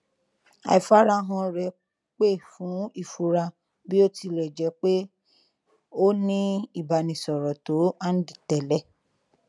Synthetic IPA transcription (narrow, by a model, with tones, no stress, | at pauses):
a̰˨fa˦ɾa˧˦ɦɔ̃˧ɾɛ˧ | k͡pe˦˨fũ˨˦i˦˨fu˧ɾa˧ | bi˦o˦ti˧lɛ˨d͡ʒɛ˨˦k͡pe˦ | o˦nĩ˦i˦˨ba˨nĩ˨sɔ˨ɾɔ˨to˨˦a˦n̩˦di˨tɛ˨lɛ˦